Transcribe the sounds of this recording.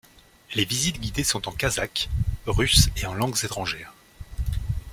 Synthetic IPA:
levizit̪ɡʲid̪esɔ̃t̪ɑ̃kazakʁyseɑ̃lɑ̃ɡzet̪χɑ̃ʒɛːʁ

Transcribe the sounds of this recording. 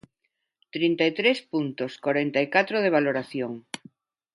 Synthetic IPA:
t̪ɾint̪ajt̪ɾespunt̪oskoɾent̪ajkat̪ɾoðeβaloɾaθjoŋ

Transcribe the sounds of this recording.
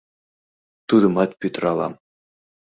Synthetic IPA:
t̪ud̪ɤ̆mɑt̪pʲyt̪rɑlˠɑ̰m

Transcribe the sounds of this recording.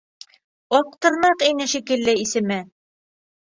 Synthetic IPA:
ɒq̚t̪ɤ̆ɾnɑqinɘʃikɘ̆lːɘisɘ̆mɘ

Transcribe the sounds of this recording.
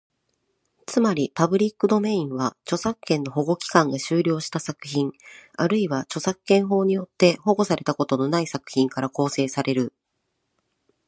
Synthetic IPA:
t͡sɨmaɾʲipabɯ̟ɾʲikːɯd̪o̞mẽ̞ĩɰ̃βat͡ɕo̞sakːẽ̞nːo̞ɦo̞ɡo̞kʲi̥kãŋɡaɕɨːɾʲo̞ːɕi̥t̪asakɯ̟̥çĩɴaɾɯ̟iβat͡ɕo̞sakɯ̥kːẽ̞ɰ̃ɦo̞ːɲ̟ijo̞t̪ːe̞ɦo̞ɡo̞saɾe̞t̪ako̞t̪o̞no̞naisakɯ̟̥çĩŋkaɾako̞ːse̞ːsaɾe̞ɾɯ̟

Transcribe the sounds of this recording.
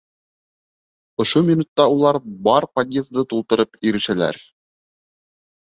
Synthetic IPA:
ŏʃomʲinut̪ːɑulˠɑɾbɑɾpɐd̪ʲjez̚d̪ɤt̪ulˠt̪ɤ̆ɾɤpiɾɘ̆ʃælæ̰ɾ

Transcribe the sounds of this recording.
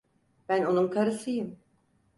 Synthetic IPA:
b̥æno̞nunkʰaɾɯsɯjɯm

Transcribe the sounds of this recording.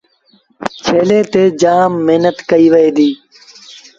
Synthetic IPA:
t͡ʃʰeːleːt̪eːd͡ʒaːmːeːnət̪kəiːʋəeːd̪iː

